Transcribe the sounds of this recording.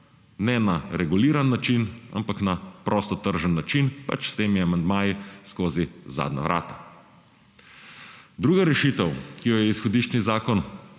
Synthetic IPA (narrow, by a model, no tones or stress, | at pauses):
nɛnaɾɛɡuliːɾanːat͡ʃina̰mpaknapɾʔɔst̪ɔt̪əɾʒənːat͡ʃinpa̰t͡ʃst̪eːmiamand̪maːjiskoːziza̰ːd̪na̰ʋɾʔa̰ːt̪ḁ | d̪ɾuːɡaɾɛʃit̪əwkijɔjɛisxɔd̪iːʃt͡ʃnizaːkɔn